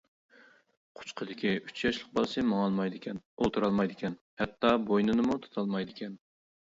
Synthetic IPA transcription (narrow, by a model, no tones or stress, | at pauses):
qʰʊ̥t͡ʃqʰəd̪ɪkʲiyt͡ʃʰjɑʃlˠəq̚bɑlˠɨsɨmɑŋɑlˠmɑjd̪ɪkʲʰɛnolˠt̪ʰuɾɑlˠmɑjd̪ɪkʲɛn | hɛt̪ːɑbojnɨnɨmut̪ʰu̥t̪ʰɑlˠmɑjd̪ɪkʲʰɛn